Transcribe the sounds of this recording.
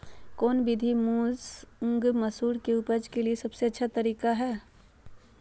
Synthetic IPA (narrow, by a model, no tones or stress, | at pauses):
kɔːnbɪd̪ʱimũːzʊ̃ŋɡmɐsuːɾkeʊpəd͡ʒkeliesɐbseɐtːʃʰat̪ɐɾiːkaɦɛː